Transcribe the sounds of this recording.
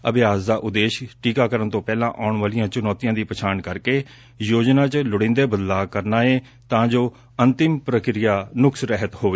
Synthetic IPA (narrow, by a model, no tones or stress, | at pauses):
əbɪjaːsd̪aːʔʊd̪eːʃʈiːkaːkəɾənt̪õːpɛːlãːʔaːɳʋaːlijãːt͡ʃʊnɔːt̪ijãːd̪iːpət͡ʃʰaːnkəɾkeː | joːd͡ʒnãːt͡ʃlʊɽɪ̃ːnd̪eːbəd̪laːkəɾnaːeː | t̪ãːd͡ʒoː | ənt̪ɪmpɾəkɾɪjaːnʊksɾɛɦət̪hoːʋeː